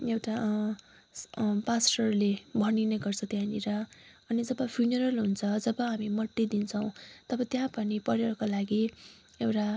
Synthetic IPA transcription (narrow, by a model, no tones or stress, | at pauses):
ewʈa | pasʈʌrlebʱʌnineɡʌrt͡sʰʌt̪jãniɾʌʌnid͡zʌbʌpʰjunʌɾʌlɦunt͡sʰʌd͡zʌbʌɦamimʌʈːid̪int͡sʰʌw̃t̪ʌbʌt̪jãpʌnipʌɾjʌkolaɡi | ewʈa